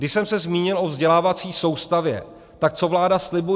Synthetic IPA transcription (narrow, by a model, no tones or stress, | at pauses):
dɪʃsɛmsɛzmiːɲɪlʔo̞vzɟɛlaːvat͡siːso̞wst̪avjɛ̰ | t̪ak̚t͡so̞vlaːdaslɪbu